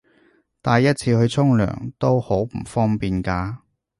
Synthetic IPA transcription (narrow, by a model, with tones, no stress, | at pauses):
t̪aː˨˧jɐ˥t̚t͡sʰiː˧hɵ˧ɥt͡sʰʊ˥ŋlœ̰ː˨˩ŋt̪o˥who˨˥wm̩˨˩fɔː˥ŋpiː˨nkaː˧